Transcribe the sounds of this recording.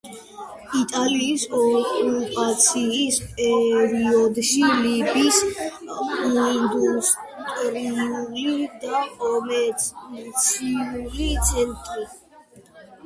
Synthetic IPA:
it̪ʼaliːsɔkʼupʼat̪sʰiːspʼɛɾiɔd̪ʃilibis | ɔind̪ust̪ʼɾiulid̪akʼɔmɛ | t̪sʰiulit̪sʰɛnt̪ʼɾi

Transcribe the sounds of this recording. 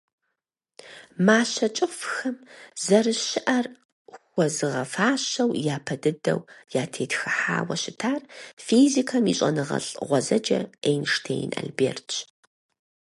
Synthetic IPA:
maːɕɐt͡ʃʼɨfxɐmzɐrɨʃɪʔɐr | xʷɔzɨʁɐfaːɕɐwjaːpʰɐdɨdɐ̰wjaːtʰeːtxɨħa̰ːwɐʃɪtʰaːrfiːzikʰɐmiːɕʼɐ̰nɨʁɐ̰ɬʼʁʷɔzɐd͡ʒɐenʃtʰḛːjna̰ːlbeːrtt͡ʃʰ

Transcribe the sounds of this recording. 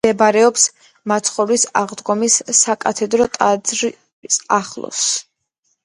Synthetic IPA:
ɛbaɾɛɔps | mat̪sʰχɔlisaʁd̪ɡɔmisːakʼat̪ʰɛd̪ɾɔt̪ʼad̪ɾ | saχlˠɔ̰s

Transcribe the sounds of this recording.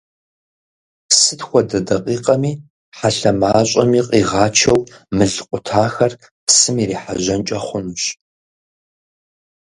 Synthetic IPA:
sɨtxʷɔdɐdɐqʼiːqʼɐmiː | ħaɬɐmaːɕʼɐmiːqʼiːʁɑːt͡ʃʰɐwmɨɮɨqʷʼʊtʰaːxɐr | psɨmiːriːħaʑɐnt͡ʃʼɐχʷʊnuɕ

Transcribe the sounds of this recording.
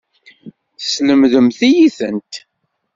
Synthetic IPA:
θə̥sləmðəmθijiθənt̪

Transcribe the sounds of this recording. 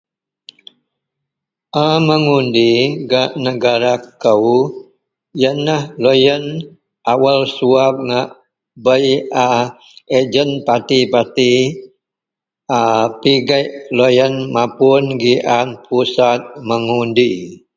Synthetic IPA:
ʔaməŋundiɡaʔnəɡaɾakəw | jənːahlojən | ʔawalsuap̚ŋaʔ | bəja | ed͡ʒənpat̪ipat̪i | apiɡajʔlojənmapʊnɡiʔanpʰusat̪̚məŋundi

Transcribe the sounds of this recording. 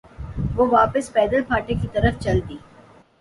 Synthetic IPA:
ʋoːʋaːpəspɛːd̪əlpʰaːʈekit̪ɐɾəft͡ʃɐlt̪iː

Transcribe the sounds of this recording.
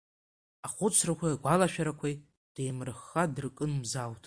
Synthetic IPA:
aχʷʊt͡sʷʰrakʷʰajaɡʷalaʃᶣaɾakʷʰaj | d̥ejmrɨχːadrkʼɨnmzawtʰʼ

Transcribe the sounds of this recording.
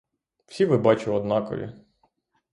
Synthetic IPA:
w̥sʲiʋɪbɑt͡ʃʊɔd̪nɑkɔ̰ʋʲḭ

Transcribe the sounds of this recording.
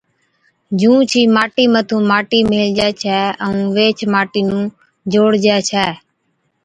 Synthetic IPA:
d͡ʒũːt͡ʃʰiːmaːʈiːmət̪ʰũːmaːʈiːmeːld͡ʒɛːt͡ʃʰɛːəũːʋeːt͡ʃʰmaːʈiːnũː | d͡ʒoːɽd͡ʒɛːt͡ʃʰɛː

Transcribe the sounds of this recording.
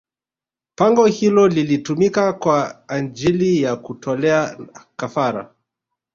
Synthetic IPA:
paŋɡɔhilɔlilitumikakwaːnd͡ʒilijakutʰɔlɛakafaɾa̰

